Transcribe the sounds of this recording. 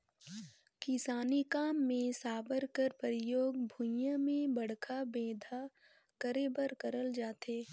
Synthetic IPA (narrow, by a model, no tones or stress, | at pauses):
kɪsaːnikaːmːẽsaːbəɾkəɾpəɾɪjoːɡbʱʊ̃jjãmẽbɐɽ̤kʰabeːd̪ʱa | kəɾebəɾkəɾəld͡ʒaːt̪eː